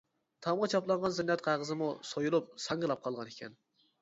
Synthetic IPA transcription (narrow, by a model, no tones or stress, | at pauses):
t̪ʰɑmʁɑt͡ʃʰɑplˠɑɴʁɑnzɪnːɛt̪̚qæʁəzɨmusojulˠup̚sɑŋɡɨlˠɑp̚qʰɑlˠʁɑnekʲɛ̰n